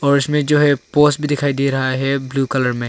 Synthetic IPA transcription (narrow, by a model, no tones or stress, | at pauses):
ɔːɾɪsmẽd͡ʒoːɦɛpoːsʈbʱid̪ɪkʰaːid̪iɾɐɦaɦɛbluːkɐləɾmẽ